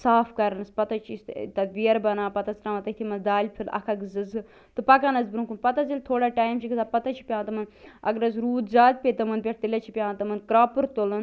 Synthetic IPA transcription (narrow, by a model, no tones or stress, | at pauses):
saːfkɐɾnɨspɐt̪ɐt͡ʃʰist̪t̪ɐʋijɐɾbɐnaːpɐt̪ɐsɾɐmɐt̪ɐt̪ʰimɐnd̪aːlʲpʰilɐ̰kʰɐɡzɨz | t̪ɨpɐkanɐzbɾunkunpɐt̪ɐzilʲt̪ʰoːɽaːʈaːjmt͡ʃʰikɨt̪ɐpɐt̪ɐt͡ʃʰi̥pʲjãːt̪ɐmɐnɐ̰ɡɐɾɐzɾuːd̪zaːd̪̚pʲet̪ɐmɐnpʲeɾt̪ilɐt͡ʃʰipʲjãːt̪ɐmɐnkɾaːpɨɾt̪olɨn